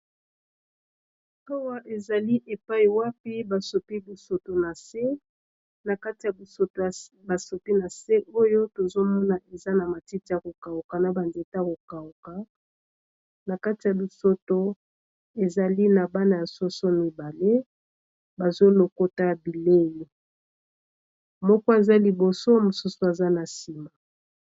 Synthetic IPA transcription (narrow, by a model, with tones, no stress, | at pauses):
a˦wa˦ʔe˨za˨li˦ʔe˨pa˦i˨wa˦pi˦ba˨so˨pi˦bi˨so˨to˨na˨se˦ | na˨ka˦ti˨ja˨bo˨ | ba˨so˨pi˦na˨se˦ʔo˦jo˦to˨zo˦mɔ˦na˨ʔe˨za˦na˨ma˨ti˦ti˦ja˨ko˨ka˨u˨ka˨na˨ba˨nde˨ta˦ko˨ka˨u˨ka˨ | na˨ka˦ti˨ja˨bi˨so˦to˦ | e˨za˨li˦na˨ba˦na˨ja˨so˦so˦mi˨ba˨le˦ | ba˨zo˦lo˨ko˦ta˦˨bi˨le˦li˨ | mɔ˦kɔ˦e˨za˦li˨bo˨so˦mo˨su˦su˦a˨za˦na˨si˨ma˨